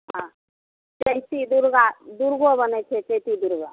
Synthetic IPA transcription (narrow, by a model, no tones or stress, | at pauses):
ɦã | t͡ʃəjt̪id̪uɾɡad̪uɾɡobənɛt͡ʃʰet͡ʃəjt̪id̪uɾɡa̰